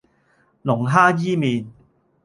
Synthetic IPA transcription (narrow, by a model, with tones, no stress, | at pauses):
lʊ˨˩ŋɦaː˥jiː˥miː˨˧n